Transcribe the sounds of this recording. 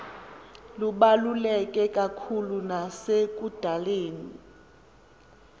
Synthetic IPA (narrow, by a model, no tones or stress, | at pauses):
luɓalulɛk̬ʼɛkʼakʰulunasek̬ʼud̥ʱaleːni